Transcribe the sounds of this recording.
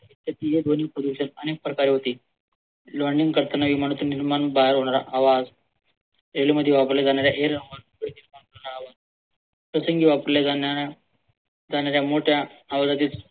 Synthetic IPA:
it̪ːjat̪iːɦed̪on̤iːpɾəd̪uɕənəneːk̚pɾəkaɾiːɦot̪iː | ləɾɳɖiŋɡkəɾt̪ənaʋimaɽət̪uːnniɾmanbaɦeɾɦoɽ̃aɾa̰ʔaʋad͡z | ɾeliməd̪ʱjeʋapəɾled͡zaɳ̃jaɾjaʔeɾɾəŋɡankɽiniɾmaɳkəɾɳaɾaʋad͡z | səsəŋɡiʋapəɾled͡zana | d͡zaɳ̃jaɾjamoʈʰjaaʋd͡zat̪iːt͡s

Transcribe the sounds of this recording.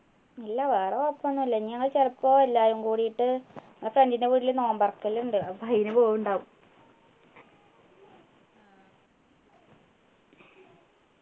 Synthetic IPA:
ilːaʋaːrɐɐpːɐnːuilːɐɲːaŋːɐɭt͡ɕelɐpːoːelːaːjuŋkuːɽijiʈːɨ | frendindeʋuɽilnoːmbɐrkːɐluɳɖɨɐpɐjinɨpoːjuɳɖaːʋum

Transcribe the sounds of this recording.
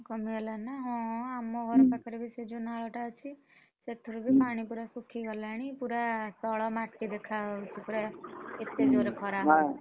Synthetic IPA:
kʌmielanaɦɔ̃amoɡʱɔɾɔpakʰeɾebised͡ʒonaɭɔʈat͡ʃʰi | set̪ʰːuɾuɡipaɽ̃ipuɾasukʰiɡʌɾlaɽ̃ipuɾat̪ɔɭɔmaʈkid̪ekʰat͡ʃʰipuɾaet̪ed͡ʒoɾekʰɔɾaɦa

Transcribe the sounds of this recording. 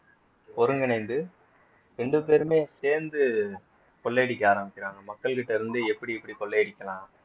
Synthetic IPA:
pɔɾɯŋɡɪnɐɪnd̪ɯ | ɾɛɳɖɯp̬eːɾɯmeːseːɾnd̪ɯ | kɔɭːeːɽɪkʲːaːɾɐmbɪkːɪɾaːŋɡɐmɐkːɐɭkɪʈːɐɪɾɯnd̪ɯɛpːɐɽiɛpːɐɽikɔlːeːɽɪkʲːɐlãː

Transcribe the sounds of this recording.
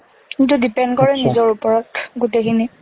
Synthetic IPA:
kintudipɛndkɔɹɛnizɔɹupɔɹɔtɡutekʰini

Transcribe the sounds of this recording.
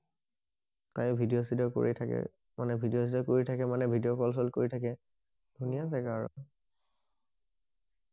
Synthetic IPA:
ta̰jʊbʱidiosidɔko̰ɹḭtʰakɛ̰ | manɛbʱidijos̬idɔkoɹitʰakɛmanɛbʱidiokɔls̬ɔlkoɹitʰakɛ | d̥ʱunijas̬ɛkaɹɔ̰

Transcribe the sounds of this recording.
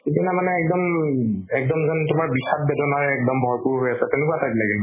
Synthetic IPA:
kitinamanɛːk̚dɔmmɛk̚dɔmzɔntʊmaɹbisat̚bɛdɔnaɹɛːk̚dɔmbʱɔɹpʊɹɦojasɛtɛʊnʊkuasabilaɡil

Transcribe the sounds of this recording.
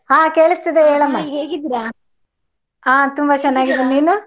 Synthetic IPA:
ɦãːkeːɭust̪id̪eɦeːɭɐmːaːɦeːɡid̪iɾa | aːt̪umbɐt͡ʃɐnːaːɡid̪eniːnu

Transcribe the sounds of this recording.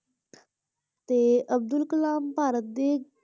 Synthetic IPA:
t̪eːʔəb̚d̪ʊlkəlaːmpaːɾət̪̚d̪eː

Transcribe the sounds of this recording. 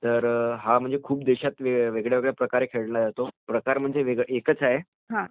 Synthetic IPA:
t̪əɾɦam̤əɳd͡zekʰuːpd̪eɕat̪ʋeʋeɡɭjaʋeɡɭjapɾəkaɾekʰeɭɳad͡zat̪opɾəkaɾm̤əɳd͡zeʋeɡʔekət͡saɦe | ɦã

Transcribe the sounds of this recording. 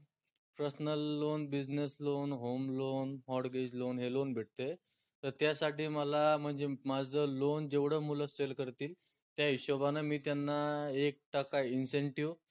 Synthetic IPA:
pɾəsnəlːonbid͡ʑneslonɦomlonɦɔɽɡed͡ʑlonɦelonbʱeʈ̚t̪ə | t̪əɾt̪jasaʈiːməlam̤əɳd͡zemad͡zəlond͡ʑeʋɽ̤əmuləselkəɾt̪iːl | t̪jaiɕəbanamiːt̪janːaek̚ʈakainseɳʈiʋ

